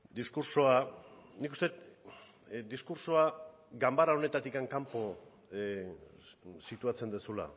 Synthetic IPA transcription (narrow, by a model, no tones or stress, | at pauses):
d̪iskuɾsoanikust̪e̞t̪ | d̪iskuɾsoa | ɡambaɾao̞ne̞t̪at̪ikaŋkampo̞ | sit̪uat͡se̞nd̪esula̰